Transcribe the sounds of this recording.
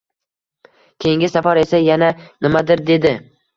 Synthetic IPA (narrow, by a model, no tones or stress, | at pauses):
kʲʰejɪŋɡʲɪsafaɾe̞sajananɪmad̪ɪɾd̪e̞d̪ɪ